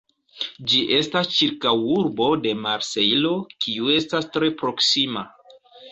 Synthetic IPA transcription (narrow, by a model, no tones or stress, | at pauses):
d͡ʒiʔe̞stast͡ʃiɾkawuɾbo̞de̞maɾse̞jlo̞kʰiue̞stastɾe̞pɾo̞ksima